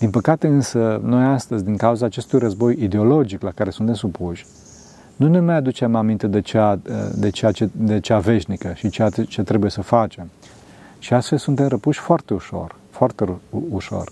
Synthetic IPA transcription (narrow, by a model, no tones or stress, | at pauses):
d̪̥inpəkat̪e̞ɨnsəno̞jast̪əzʲd̪iŋkauzaːt͡ʃe̞st̪ujrəzbo̞jid̪eo̞lo̞d͡ʒiklakaɾe̞sunt̪e̞msupuʃʲ | nunemajad̪ut͡ʃe̞mamint̪e̞d̪et͡ʃea̰d̪et͡ʃeat͡ʃed̪et͡ʃeave̞ʃnikəʃit͡ʃeat͡ʃe̞t̪ɾe̞buje̞səfat͡ʃe̞m | ʃiast̪fe̞lsunt̪e̞mrəpuʃʲfoart̪e̞uʃo̞̰r | foart̪euʃo̞̰r